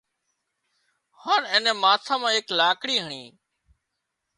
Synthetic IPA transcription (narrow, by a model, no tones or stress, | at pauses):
haːnẽːneːmaːt̪ʰãːmãːeklaːkɽiːɦəɳḭː